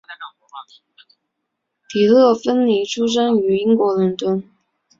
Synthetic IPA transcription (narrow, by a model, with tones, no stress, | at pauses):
t̪ʰi˨˩lɤ˥˩fə˥nli˧˥ʈ͡ʂʰu˥ʂ̬a˥ny˧˥i˥ŋkwɔ˧˥lə˧˥nt̪wə˥n